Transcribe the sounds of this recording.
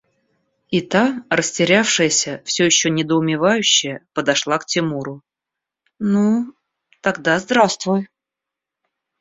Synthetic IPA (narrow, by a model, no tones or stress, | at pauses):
it̪arəsʲtʲɪɾʲafʂɨjəsʲəfsʲɵjɪɕːonʲɪd̪əʊmʲɪvajʉɕːɪjəpəd̪ɐʂlˠaktʲɪmuɾʊ | nu | t̪aɡd̪azd̪ɾast̪vʊj